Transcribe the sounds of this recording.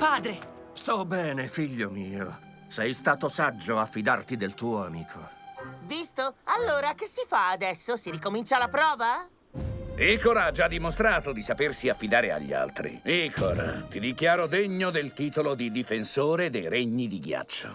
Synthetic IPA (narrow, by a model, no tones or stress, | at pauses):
paːd̪ɾe | st̪ɔbɛːnefiʎːomiːo | sɛjst̪aːt̪osad͡ʒːoafːid̪art̪id̪elt̪uːoamiːkʰovist̪oalːoːɾakesːifaːd̪ɛsːosiɾikomint͡ʃalapɾɔːva | ikoɾad͡ʒad̪ːimost̪ɾaːt̪od̪isapersiafːid̪aːɾea̰ʎːḭa̰lt̪ɾḭikʰo̰rt̪id̪ikjaːɾod̪eɲːod̪elt̪iːt̪olod̪id̪ifensoːɾed̪ejɾeɲːid̪iɡja̰t͡ʃːo̰